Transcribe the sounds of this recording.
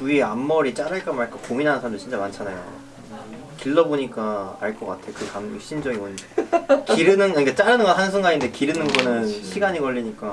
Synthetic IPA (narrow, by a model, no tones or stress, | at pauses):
uiamːʌɾit͡ɕ͈aɾɯɭk͈amaɭk͈akominɦanɯnsʰamdot͡ɕint͡ɕ͈amant͡ɕʰanajo̰ | kiɭːʌboɲik͈aːɭk͈ʌk͈atʰekɯkamɕ͈ʰind͡ʑʌɡiwʌnekiɾɯnɯnɯik͈at͡ɕ͈aɾɯnɯnɡʌɦanɯnsʰeŋɡaɲinde̞kiɾɯnɯnɡʌnɯnɕʰiɡaɲikʌɭʎːiɲik͈a